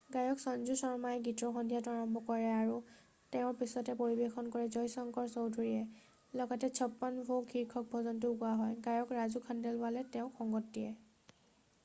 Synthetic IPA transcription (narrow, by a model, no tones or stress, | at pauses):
ɡajɔksɔnzusɔɹmajɡitɹɔxɔndʱijataɹɔmbʱɔkɔɹɛaɹu | tɛʊ̃pisɔtɛpoɹibexʰɔnkɔɹɛzɔjsɔŋkɔɹsɔwdʱuɹiɛ | lɔɡatɛt͡ʃʰɔpːanbʱokʰiɹkʰːɔk̚bʱɔzɔntʊkuaɦɔjɡajɔkɹazukʰandɛlpalɛtɛʊ̃xʰɔŋɡɔtːijɛ